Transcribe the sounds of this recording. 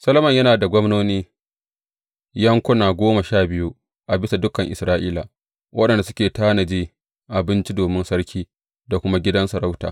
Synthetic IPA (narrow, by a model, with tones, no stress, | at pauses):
sɐ˦lɐ˦mɐ˦˨ɲjɐ˦naː˨da˨ɡʷɔ˦mnoː˦niː˦ | jɐ˦ŋkʷʊ˦naː˨ɡʷoː˦ma˨ʃaː˦˨bɪ˦ju˦ | ʔa˨bɪ˦sa˨dʊ˦kɐ˨ŋʔɪ˨sɾaː˦ʔiː˦la̰˨ | wʔɐ˦ɗɐ˨nda˨sʊ̥˦kʲeː˨taː˦nɐ˨d͡ʒiː˦ | ʔa˨bɪ˦nt͡ʃi˦doː˨mɪ˦nsɐ˦ɽkʲʰiː˦ | da˨kʷʊ˦ma˦ɡʲɪ˦dɐ˦nsɐ˨ɾa˦wta̰ː˨